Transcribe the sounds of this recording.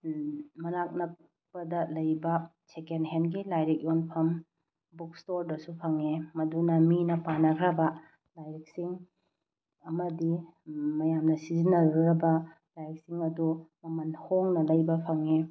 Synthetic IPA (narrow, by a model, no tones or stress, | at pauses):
mɐnak̚nɐk | pɐdɐlɐjbɐ | t͡ʃekenɦenɡilajɾik̚jonpʰɐm | buk̚stoɾdɐsupʰɐŋemɐdunɐminɐpanɐkʰɾɐbɐ | lajɾik̚siŋ | ɐmɐdimɐjamnɐsizinɐɾɾɐbɐ | lajɾek̚siŋɐdumɐmɐnhoŋnɐlɐjbɐpʰɐŋe